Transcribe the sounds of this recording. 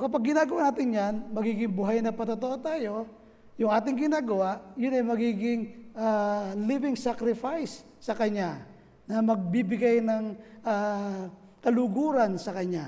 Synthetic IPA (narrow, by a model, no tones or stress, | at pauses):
kɐpaɡ̚ːɪnaːɡɐwanaːt̪ɪnjanmɐɡiːɡɪŋbʊɦajnɐpɐt̪ot̪oʔot̪aːjo̞ | jʊŋʔaːt̪ɪŋɡɪnaːɡɐwaʔjʊnɐjmɐɡiːɡɪŋʔalivɪŋsakɾɪfajsː | ɐkɐɲːa | nɐmɐɡ̚bibɪɡajnɐŋa | k̪ɐlʊɡuːɾɐnsɐkɐɲa